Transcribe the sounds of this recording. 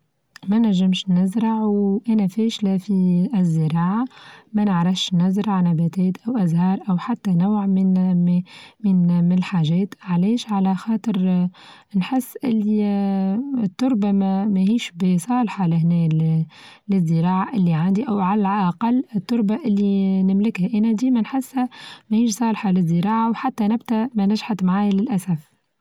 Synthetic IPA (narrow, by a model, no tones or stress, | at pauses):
mænæʒːɪmʃnnæzɾɑʕwʔænæfɛːʃlæfizːəɾɑːʕamænəʕɾˤɑfʃnæzɾɑʕnæbæt̪ɛːt̪ʔæwʔæzhɑːɾˤʔæwħat̪ːænawʕmɪ | mɪnmɪnɪlħaːʒɛːt̪ʕlɛːʃʕalæxɑːt̪ˤəɾ | nħɪsːʔɪlːi | ɪt̪ːʊɾˤbamæmæhiːʃbɪsˤɑːlħɑlɪhnɛː | lɪzːəɾɑːʕaʔɪlːiʕand̪iʔæwʕalælʔɑqɑlːɪt̪ːʊɾˤbaʔɪlːinɪmlɪkhæʔænæd̪iːmænħɪsːhæmæhiːʃsˤɑːlħɑlɪzːəɾɑːʕawħat̪ːænɪbt̪æmænæʒħat̪maʕaːjlɪlʔæsæf